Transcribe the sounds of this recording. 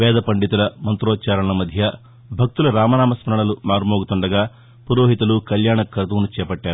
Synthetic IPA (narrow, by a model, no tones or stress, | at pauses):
ʋɛːd̪ʱɐpɐɳɖit̪ulɐmɐnt̪ɾɔːt͡ʃaːɾɐɳɐlɐmɐd̪ʱjɐ | bʱɐk̚t̪ulɐɾaːmɐnaːmɐsmɐɾɐɳɐlumaːɾumoːɡut̪uɳɖɐɡaː | puɾoːɦit̪ɐlukɐljaːɳɐkɾɐt̪uʋnut͡ʃɛːpɐʈːaːɾuu